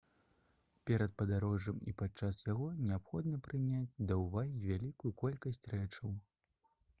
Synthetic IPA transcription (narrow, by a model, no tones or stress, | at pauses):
pʲɛɾɐt̪̚pɐd̪aɾɔʐɐmḭpat͡ʂasjaɣɔnʲɛapxɔd̪nɐpɾɨnʲad͡zʲd̪ɐwvaɣʲivʲalʲikujukɔlʲkɐsʲt͡sʲrɛt͡ʂɐw